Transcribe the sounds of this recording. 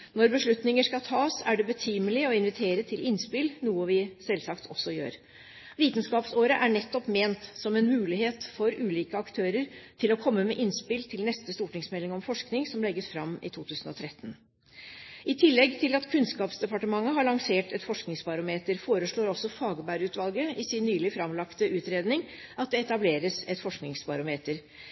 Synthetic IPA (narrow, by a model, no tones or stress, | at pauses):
nɔɾbəʂɭʉt̪nɪŋəʂkɑt̪ʰɑːsæɖɛbət̪ʰiːməlɪɔɪnʋɪt̪ʰeːɾət̪ʰɪlɪnspɪlnuːəʋɪsɛlsɑkt̪ʰɔsːɔjø̰ːɾ | ʋiːt̪nskɑːpsoːɾəʔæɳɛt̪ːɔpmeːnt̪sɔmɛnmʉːlɪheːt̪fɔɾʉːliːkəɑkt̪ʰøːɾəɾt̪ʰɪlɔkʰɔmːəmɛʔɪnspɪlt̪ʰɪlnɛst̪əst̪uːʈnɪŋsmɛlːɪŋɔmfɔʂknɪŋsɔmlɛɡːəsfɾɑmːɪ̰t̪ʰuːt̪ʰʉːsən̩ɔ̰t̪ʰɾɛt̪ːən | ʔɪt̪ʰɪlːɛɡt̪ʰɪlɑt̪kʰʉnskɑːpsd̪ɛpɑʈəmɑŋːəɦɑɭɑŋseːʈɛt̪fɔʂknɪŋsbɑɾʊmeːt̪əɾfoːɾəʂɭoːɾɔsɔfɑːɡəbæɾʉːt̪ʋɑlɡəɪsɪnːyːlɪfɾɑmlɑkt̪əʉːt̪ɾeːd̪nɪŋʔɑt̪̚d̪ɛɛt̪ɑbleːɾəsɛt̪fɔʂknɪŋsbɑɾʊmeːt̪əɾ